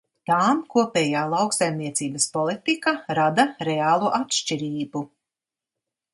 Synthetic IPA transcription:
t̪aːmkuɔpʲɛːjaːlˠawksajmniɛt̪siːbɐspɔlˠit̪ikaɾad̪aɾɛaːlˠuʔat̪ʃt͡ʃiɾiːbu

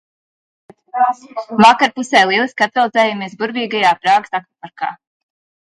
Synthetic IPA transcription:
vakaɾpusɛːlˠiɛlˠiskat̪valˠzɛːjamiɛsbuɾbiːɡajaːpɾaːɡ̥sak̚apaɾka̰ː

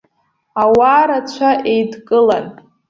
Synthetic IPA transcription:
awaːɾat͡ɕʷʰaʔejdkʼɨlan

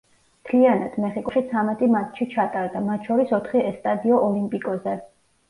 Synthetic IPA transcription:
mt̪ʰlianad̪̥mɛχikʼuʃit̪sʰamɛt̪ʼimat̪ʰʃit͡ʃʰat̪ʼaɾd̪amat̪ʰʃɔɾisɔt̪ʰχiɛst̪ʼad̪iɔʔɔlimpʼikʼɔzɛ

